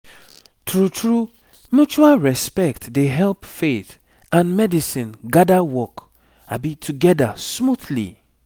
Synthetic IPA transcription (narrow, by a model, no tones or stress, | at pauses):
tɹutʰɹu | mjut͡ʃualɹɛspɛktdeɦɛlpfeθ | ãnmɛdisĩnɡadawɔk | abitʰuɡɛdasmuθlḭ